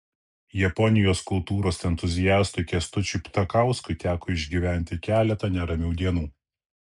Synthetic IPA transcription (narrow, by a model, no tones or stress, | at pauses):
jɛpɔnʲɪjoːskʊlˠt̪uːɾoːsɛnt̪ʊzʲɪjæːst̪ʊkʲɛst̪ʊt͡ʃʲʊpʲt̪ɐkɑˑʊskʊɪt̪ʲæːkoːɪʒʲɡʲiʋʲæˑnʲt̪ʲɪkʲæːlʲɛt̪ɐnʲɛɾɐmʲɛʊd̪ʲiɛnuː